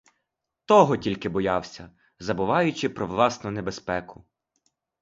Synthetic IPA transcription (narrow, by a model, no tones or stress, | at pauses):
t̪ɔɦɔtʲilʲkɪbɔjɑwsʲɐ | zɐbʊʋɑjʊt͡ʃɪpɾɔʋlˠɑsnʊnebespɛkʊ